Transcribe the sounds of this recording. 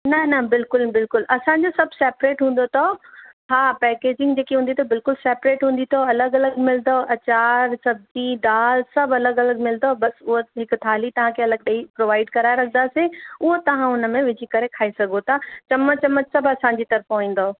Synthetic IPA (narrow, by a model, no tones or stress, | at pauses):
nɐnɐbɪlkʊlbɪlkʊlʔɐsãɲd͡ʑosɐbʱseːpɾeːʈɦũːn̆d̪ot̪ʰohaːpɛːkeːd͡ʑɪ̃ŋɡd͡ʑeːkiɦũːn̆d̪it̪ʰobɪlkʊlseːpɾeːʈɦũːn̆d̪it̪ʰoɐləɡɐləɡmɪld̪oʔɐt͡ɕaːɾsɐb̚zid̪aːlsɐbʱɐləɡɐləɡmɪld̪obɐsʊɦoɦɪkʊt̪ʰaːlit̪ɐʋ̤ãkʰeɐləɡ̚ɗeipɾoːʋaːɪɖkɐɾaːeɾɐkʰə̃nd̪aːseʊɦot̪ɐʋ̤ãʊnəmẽʋɪd͡ʑʱikɐɾekʰaːesɐɡʱot̪ʰat͡ɕɐmət͡ɕɐmətsɐbʱɐsãɲd͡ʑiːt̪ɐɾəfʊĩːn̆d̪o